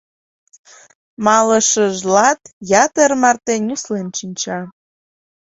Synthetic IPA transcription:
mɑləʃəʒlɑt̪jɑt̪ərmɑrt̪enʲuslenʃinʲt͡ɕɑ

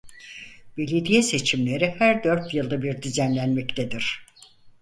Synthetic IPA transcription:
b̥e̞lʲed̪ijɛse̞t͡ʃʰimlʲe̞ɾihæɾd̪ø̞ɾt̪jɯlˠd̪abiɾd̪yzænlʲænmɛct̪ʰed̪iɾ̥

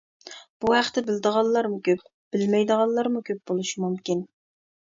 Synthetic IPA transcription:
b̥uhæχt̪ʰɪbɪld̪əʁɑlˠlːˠɑɾmukʲʰøp̚ | b̥ɪlmɛjd̪əʁɑlˠlːˠɑɾmukʲʰøp̚bolˠuʃimumkʲin

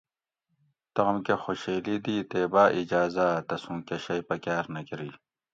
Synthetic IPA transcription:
t̪ɐɣɐmkexoɕeːlid̪it̪eːbaːʔid͡ʑaːzat̪ɐsũːkeɕɐjpɐkaːɾnɐkiɾiː

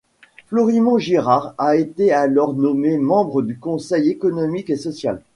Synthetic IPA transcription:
flɔʁimɑ̃ʒiʁaʁaet̪ealɔʁnɔmemɑ̃bʁəd̪ykɔ̃sɛjekɔnɔmikesɔsja̰l

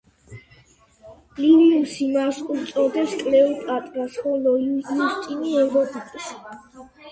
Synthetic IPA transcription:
liniusimasχʼuɾt̪sʼɔɾd̪ɛpskʼlɛpʼat̪ʼɾasχɔlɔujust̪ʼiniɛvɾɔpʼitʼʃi̥

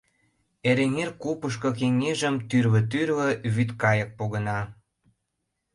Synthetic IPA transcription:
eɾeŋerkupəʃ̬kŏk̬eŋeʒə̆mt̪yrβə̆t̪̬yrβə̆βyt̪kɑjək̚poɣənɑ

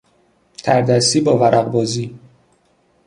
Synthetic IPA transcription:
t̪ʰæɾd̪æsiːbɒːvæɾʔæɣbɒːziː

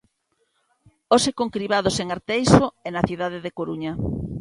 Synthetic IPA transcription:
osekoŋkɾiβað̞oseŋaɾt̪ejsoɛnaθiðaðeðekoɾuɲɐ

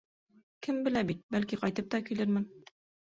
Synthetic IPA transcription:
kɘmbɘ̆læbit̪̚bælkiqɑjt̪ɤp̚t̪ɑkilɘɾmɘn

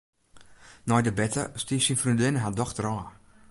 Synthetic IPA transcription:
nɔjdəbɛtə̰stiːsinfrundɪnəɦadɔxdrɔː

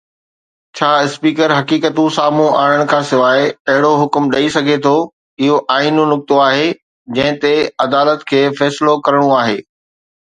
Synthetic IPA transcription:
t͡ɕʰaːɪspiːkəɾɦɐkiːkət̪ũsaːmũʔaːɽ̃əɽ̃kʰãːsɪʋaːeɐɦɪɽoɦʊkmɗɐisɐɡʱet̪ʰo | ɪɦoʔaːinũnʊk̚t̪oaːɦe | d͡ʑɐ̃ɦɪ̃t̪eɐd̪aːlət̪kʰeːfɛːslokɐɾəɽ̃ũaːɦeː

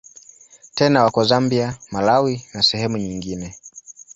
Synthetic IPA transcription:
tɛnawakɔzambiamalawinasɛhɛmuɲiŋɡinɛ

